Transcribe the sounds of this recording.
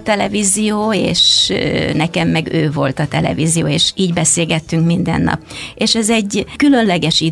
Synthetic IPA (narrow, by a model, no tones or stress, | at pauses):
t̪ɛlɛvizijoːḛːʃnɛkɛmːɛɡøːvo̞lt̪ɒt̪ɛlɛ̰vizijo̰ːeːʃiːɟbɛseːlɡɛt̪ːyŋkmind̪ɛ̰nːɒ̰peːʃɛzɛɟːkylø̞nlɛɡɛʃi